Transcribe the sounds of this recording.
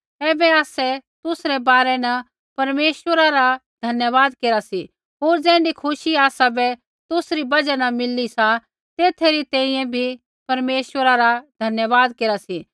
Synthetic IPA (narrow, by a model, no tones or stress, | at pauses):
ɛːbɛaːsɛt̪ʊsɾɛbaːɾɛnɐ | pɐɾmeːsʋəɾaɾad̪ʱɐnjəʋaːd̪keːɾasi | ɦoːɾd͡zɛ̃ːɳɖikʰʊʃiaːsabɛ | t̪ʊsɾibɐd͡ʒanɐmɪlːisa | t̪eːt̪ʰeɾit̪ɛ̃ːĩːɛ̃bʱi | pɐɾmeːʃʋəɾaɾad̪ʱɐnjəʋaːd̪̚keːɾasi